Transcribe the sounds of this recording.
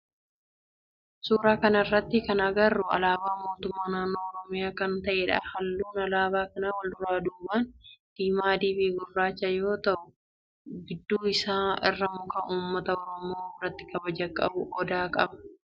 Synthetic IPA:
suːɾaːkɐnɐɪrːɐt̪ːɪkɐnɐɡɐrːʊɐ̰laːbaːmo̞ːt̪ʊmːaːnaːnːo̞ːɔɾɔmɪjaːkɐnt̪ɐʔɛːᶑɐ̰ːhɐlːuːnɐlaːbaːkɐnaːwɐld̪ʊɾaːd̪uːbaːnd̪̥iːmaːd̪iːfɪɡʊrːaːt͡ʃːɐjo̞ːt̪ɐʔʊ | ɡɪd̪ːuːɪsaːɪ̰rːɐmʊkɐʔuːmːɐt̪ɐɔɾɔmo̞ːɪrːɐt̪ːɪkɐbɐd͡ʒɐkʼːɐ̰bʊʔɔd̪aːkʼɐbɐ̥

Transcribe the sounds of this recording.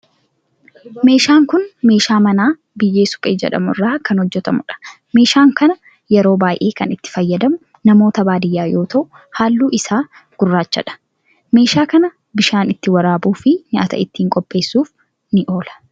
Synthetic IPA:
me̞ːʃaːŋkʊnme̞ːʃaːmɐnaː | bɪjːe̞ːsʊ̥pʼḛːd͡ʒɛ̰ᶑɐ̰mʊrːaːkɐnhɔd͡ʒːɛt̪ɐmʊᶑɐ̥ | meːʃaːŋkɐnɐ | jɛɾo̞ːbaːjʔe̞ːkɐnɪt̪ːɪ̥fɐjːɐd̪ɐmʊ | nɐmo̞ːt̪ɐbaːd̪ɪjːaːjo̞ːt̪ɐʔʊ | haːlːuːɪsaː | ɡ̥ʊrːaːt͡ʃːɐ̰ᶑɐ̥ | me̞ːʃaːkɐnɐ | bɪʃaːnɪt̪ːɪwɐɾaːbuːfɪɲa̰ːt̪ɐ̰ɪt̪ːiːŋkʼɔpʼːe̞ːsːuːf | nɪʔo̞ːlɐ̥

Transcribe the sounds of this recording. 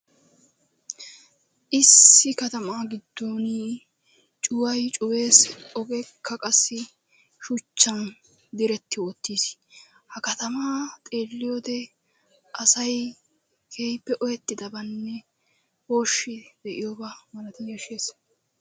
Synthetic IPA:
ʔɪsːɪkɐt̪ɐmaːɡɪd̪ːoːni | t͡ʃʼʊwɐjt͡ʃʼʊwe̞ːsɔɡɛkʰːɐkʼɐsːɪ | ʃʊt͡ʃːɐn | d̪ɪɾɛt̪ːɪwɔt̪ːiːs | hɐkɐt̪ɐmaːt̪ʼe̞ːlːɪjod̪ɛ | ʔɐsɐj | kʰeːjpːɛʔɔjɛt̪ːɪd̪ɐbɐnːɛ | woːʃːɪd̪̥ɛʔɪjɔbamɐnɐt̪ɪnjɐʃeːs

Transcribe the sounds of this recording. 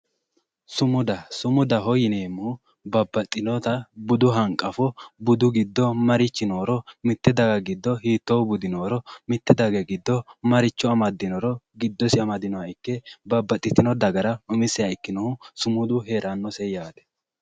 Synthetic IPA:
sʊmʊd̪ɐsʊmʊd̪ɐɦɔjɪneːmːu | bɐbːɐt̪ʼːɪnɔt̪ɐbʊd̪ʊɦɐŋkʼɐfɔbʊd̪ʊɡɪd̪ːɔmɐɾɪt͡ʃːɪnoːɾɔmɪt̪ːɛd̪ɐɡɐɡɪd̪ːɔɦiːt̪ːoːbʊd̪ɪnoːɾɔmɪt̪ːɛd̪ɐɡɐɡɪd̪ːɔmɐɾɪt͡ʃːɔɐmɐd̪ːɪnɔɾɔɡɪd̪ːɔsɪɐmɐd̪ɪnɔwɐɪkːɛbɐbːɐt̪ʼːɪt̪ɪnɔd̪ɐɡɐɾɐʊmɪsɛɐɪkːɪnɔhʊsʊmʊd̪ʊɦe̞ːɾanːɔsɛjaːd̪ɛ̥

